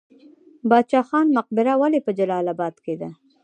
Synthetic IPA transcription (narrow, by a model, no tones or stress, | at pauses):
bɑd̪̚t͡ʃɑxɑnmʊq̚bɪɾawalepəd͡ʒalɑlabɑd̪ked̪a